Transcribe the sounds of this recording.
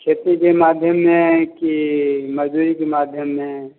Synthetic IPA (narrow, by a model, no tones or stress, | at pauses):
kʰeːt̪ikemaːd̪ʱjəmːẽkiməd͡ʒduːɾikemaːd̪ʱjəmːẽ